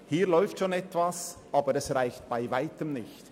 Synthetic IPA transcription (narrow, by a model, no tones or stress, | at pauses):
hiːɾlɔʏftʃoːnɛtv̥asʔɑːbəɾɛsʁaɪçt̚b̥aɪvaɪtəmnɪçt